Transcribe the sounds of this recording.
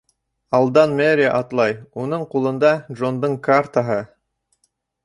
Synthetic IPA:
ɑlˠd̪ɑnmeɾʲiʔɑt̪lˠɑjunɤɴqulˠɤ̆nd̪ɑʒond̪ɤɴkart̪aɦɤ

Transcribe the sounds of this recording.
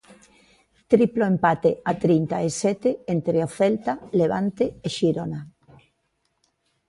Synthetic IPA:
t̪ɾiploempat̪eat̪ɾint̪aesɛt̪eent̪ɾeoθɛlt̪aleβant̪eeʃiɾona

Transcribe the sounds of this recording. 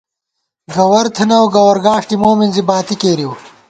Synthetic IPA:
ɡɐwɐɾt̪ʰɐnɐwɡɐwɐɾɡaːʂʈimoːminzibaːt̪ikeːɾiw

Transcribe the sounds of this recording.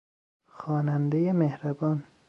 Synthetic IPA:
xɒːnænd̪ejemehɾæbɒːn

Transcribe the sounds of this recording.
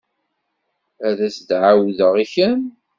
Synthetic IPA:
æðæsd̪ʕawðəʁiçəm

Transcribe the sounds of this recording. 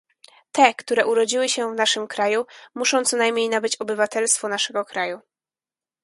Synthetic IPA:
t̪ɛkt̪uɾɛʔuɾɔd͡ʑiwɘɕɛvnaʂɘmkɾajumuʂɔ̃w̃t̪sɔnajmɲejnabɘt͡ɕɔbɘvat̪ɛlst̪fɔnaʂɛɡɔkɾaju

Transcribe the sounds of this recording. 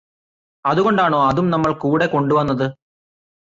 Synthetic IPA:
ɐðuɣo̞ɳɖaːɳo̞ːɐðumnɐmːɐɭkuːɽe̞ko̞ɳɖuʋɐnːɐðɨ

